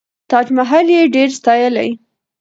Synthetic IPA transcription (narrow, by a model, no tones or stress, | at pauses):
t̪ɑd͡ʒmaɦaljeɖeɾst̪ɑjəla̰j